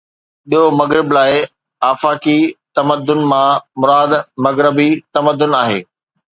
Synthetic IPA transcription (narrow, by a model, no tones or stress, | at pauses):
ɓiɦomɐɣɾɪblaːɪ | aːfaːkit̪ɐməd̪ːʊnmãmʊɾaːd̪mɐɣɾɪbit̪ɐməd̪ːʊnaːɦḛː